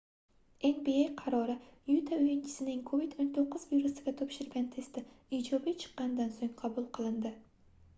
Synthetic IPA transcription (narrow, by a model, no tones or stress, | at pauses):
eŋbejejqʰɑɾɒɾɪjut̪ʰaʊjɪnt͡ʃʰɪ̥sɪnɪŋkʰovid̪ont̪ʰoqːʊzviɾusɪɡʲat̪ʰɒpʃɪɾɡʲant̪ʰe̞st̪ɪid͡ʒɒbijt͡ʃʰɨ̥qːɑnd̪ansoŋqʰɑbʊlˠqʰɨlˠɪnd̪ɪ